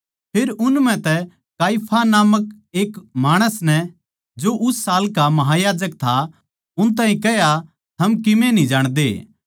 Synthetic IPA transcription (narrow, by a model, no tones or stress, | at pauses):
pʰeːɾʊnmɛ̃t̪ɛ | kaːipʰanaːmək̚ | eːkmaːɽ̃əsnɛ | d͡ʒoʔʊsːaːlkamɐɦajaːd͡ʒək̚t̪ʰa | ʊnt̪̬ãːɦĩkɛɦja | t̪ʰɐmkɪmẽnĩd͡ʒaːɽ̃d̪eː